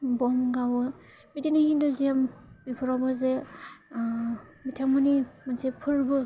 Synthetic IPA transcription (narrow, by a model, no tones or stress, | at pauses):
bɔmɡawɯ | mitinihindɔzambipʰɔɾabaze | mitʰaŋmɯnimansepʰɯɾbɯ